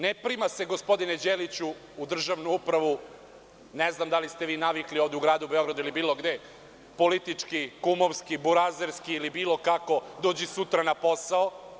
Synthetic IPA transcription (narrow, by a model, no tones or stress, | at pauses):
nepɾimase̞ɡospo̞d̪ined͡ʑeːlit͡ɕuː | d̪r̩ʒaʋnuupɾaʋu | neznamd̪alist̪eʋiːnaʋiklio̞ːʋd̪ɛuɡɾaːd̪uubeo̞ɡɾad̪uilibiːlo̞ɡd̪e | po̞lit̪it͡ʂkikumoʋskibuɾazeɾskiːlibiːlˠo̞kako̞d̪oːd͡ʑisut̪ɾanapo̞sao